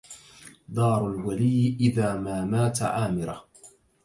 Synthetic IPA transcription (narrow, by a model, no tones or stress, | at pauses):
d̪ˤɑːɾˤʊlwalɪjːʔɪðaːmaːmaːt̪a̰ʕaːmɪɾah